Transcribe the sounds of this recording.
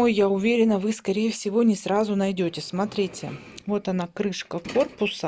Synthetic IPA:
ojːaʊvʲeɾʲɪnəvɨskɐɾʲejəfsʲɪvo̞nʲɪsrazʊnɐjdʲotʲɪsmɐt̪ɾʲitʲɪ̰ | vo̞t̪ɐnakɾɨʂkəkorpʊsə

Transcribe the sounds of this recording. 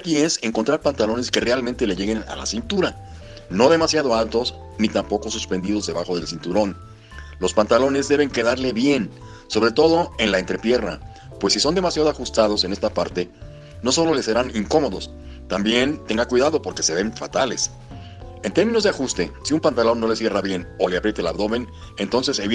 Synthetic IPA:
akie̞se̞ŋko̞nt̪ɾaɾpant̪alo̞ne̞ske̞realmẽnt̪e̞le̞ʝe̞ɣe̞na̰la̰sint̪uɾa | no̞ðe̞masjaðo̞alt̪o̞s | nit̪ampo̞ko̞suspe̞nd̪ið̞o̞zðe̞βaxo̞ð̞e̞lsint̪uɾo̞n | lo̞spant̪alo̞ne̞zðe̞βe̞ŋke̞ðaɾle̞βje̞n | so̞βɾe̞t̪o̞ðo̞e̞nlaent̪ɾe̞pje̞rna̰ | pwe̞sːiso̞nd̪e̞masjaðoaxust̪að̞o̞se̞ne̞st̪apaɾt̪e̞ | no̞so̞lo̞le̞se̞ɾaniŋko̞mo̞ðo̞s | t̪ambje̞nt̪e̞ŋɡakwiðaðo̞po̞ɾke̞se̞βe̞ɱfa̰t̪ale̞s | e̞nt̪eɾmĩnozðeaxust̪e̞siumpant̪alo̞nːo̞le̞sje̞raβje̞no̞le̞apɾje̞t̪ela̰βðo̞βe̞n | e̞nt̪o̞nse̞seβi

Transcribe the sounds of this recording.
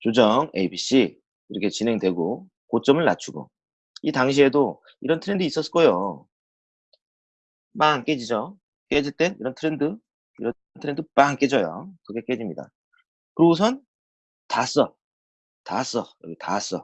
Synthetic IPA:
t͡ɕod͡ʑʌŋebiɕ͈i | iɾʌkʰe̞t͡ɕinɦe̞ŋdwe̞ɡo | kot͡ɕ͈ʌmɯɭna̰t͡ɕʰuɡo̰ | itaŋɕ̬ʰie̞do | iɾʌntʰɯɾe̞ndɯis͈ʌs͈k͈ʌjo | maŋk͈ed͡ʑid͡ʑʌ | k͈e̞d͡ʑiɭt͈e̞nḭɾʌntʰɯɾe̞ndɯ | iɾʌ | ntʰɯɾe̞ndɯp͈aŋk͈e̞d͡ʑʌjo̰tʌɡʰek͈e̞d͡ʑimɲida̰ | kɯɾous̬ʰʌn | tas͈ʌ | tas͈ʌɾʌɡitas͈ʌ̰

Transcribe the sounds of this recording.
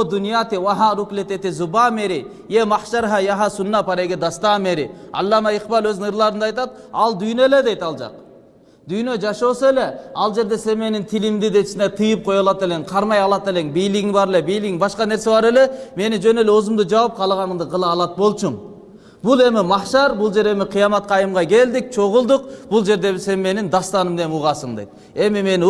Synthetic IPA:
od̪unijat̪iwaɦɑɾuklet̪et̪izubɑmeɾi | jemɑhʃɑɾɦɑjɑɦɑsunːɑpɑɾeɡʲed̪ɑst̪ɑmeɾiɑ̰lˠːɑmɑiqbɑlˠøznŋɨɾlˠɑɾɯnd̪ɑjt̪ɑt̪̚ɑlˠd̪yjneled̪ejt̪ɑlˠd͡ʒɑ̰q | d̪yjnød͡ʒɑʃoseleɑlˠd͡ʒe̞ɾd̪e̞se̞nme̞nint̪ʰilimd̪id̪e̞t̪ʃnet̪ʰɯjɯp̚qʰo̞jɑlˠɑt̪e̞leŋqʰɑɾmɑjɑlˠɑt̪e̞le̞ŋbijlɪɡiŋbɑɾe̞le̞bijliɡiŋbɑʃqɑne̞ɾse̞bɑɾe̞le̞me̞nid͡ʒø̞ne̞leozumd̪ud͡ʒɑwɑp̚qʰɑlˠʁɑnɯɴd̪ɯqʰɯlˠɑːlˠɑt̪̚bo̞lˠt͡ʃuɴ | bulˠe̞mɪmɑχʃɑɾbulˠd͡ʒe̞ɾe̞mɪqʰijɑmɑt̪̚qɑːjɯmʁɑke̞ld̪ik̚t͡ʃʰo̞ʁʊlˠd̪uqb̥ulˠd͡ʒe̞ɾd̪e̞se̞nme̞nind̪ɑst̪ɑnɯmd̪e̞muʁɑsɯɴd̪e̞jt̪̚ | e̞mime̞n

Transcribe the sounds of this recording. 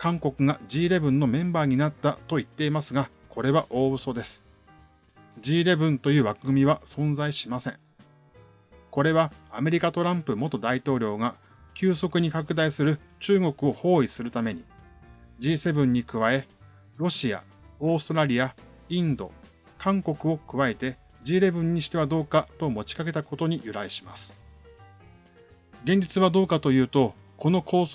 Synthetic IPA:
kãŋko̞kɯ̟ɡad͡ʑiːɾe̞bɯ̟̃nːo̞mẽ̞mbaːɲ̟inat̪ːat̪o̞it̪ːe̞imasɨɡa | kʰo̞ɾe̞βaʔo̞ːbɯ̟so̞d̪e̞sɨ̥ | d͡ʑiːɾe̞bɯ̟̃nt̪o̞jɯ̟ːβakɯ̟ɡɯ̟mʲiβ̞asõ̞nzaiɕimasẽ̞ŋ | ko̞ɾe̞βaːme̞ɾʲikat̪o̞ɾãmpɯ̟mo̞t̪o̞d̪ait̪o̞ːɾʲo̞ːɡa | kʲɨːso̞kɯ̟ɲ̟ikakɯ̟d̪aisɨɾɯ̟ | t͡ɕɨːŋo̞kɯ̟o̞ho̞ːisɨɾɯ̟t̪ame̞ɲ̟i | d͡ʑiːse̞bɯ̟̃ɲ̟ːikɯ̟βae̞ | ɾo̞ɕia̰ | o̞ːsɨ̥t̪oɾaɾʲia | ĩnd̪o̞̰ | kʰãŋko̞kɯ̟o̞kɯ̟βaet̪e̞ | d͡ʑiːɾe̞bɯ̟̃ɲ̟ːiɕi̥t̪e̞βad̪o̞ːkat̪o̞mo̞t͡ɕi̥kake̞t̪ako̞t̪o̞ɲ̟ijɯ̟ɾaiɕima̰sɨ̥ | ɡẽ̞ɲ̟d͡ʑit͡sɨβad̪o̞ːkat̪o̞jɯ̟ːt̪o̞ | ko̞no̞kʰo̞ː

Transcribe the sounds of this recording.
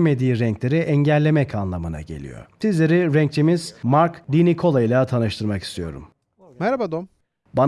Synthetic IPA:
me̞d̪iːɾɛɲclʲe̞ɾiʔɛɲɟælʲːe̞mɛcʰanlˠamɯna̰ɟe̞̰lʲḭjo̞̰ɾt̪ʰizlʲeɾiɾɛɲc̚t͡ʃʰimiz̥maɾkd̪inikʰo̞lˠailˠat̪ʰanɯʃt̪ʰɯɾmaki̥st̪ʰijo̞̰ɾṵm | mɛɾabad̪om | ban

